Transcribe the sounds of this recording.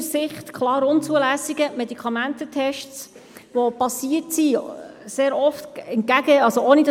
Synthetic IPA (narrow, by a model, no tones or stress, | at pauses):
sɪχt̪kʰlɑːɾʊnt͡suəlæːsiɡəmɛdikʰɑmænt̪ətʰɛʃts | ʋopɑsiətsiseːɾɔftɛnt̚kæɡəɑzooːnid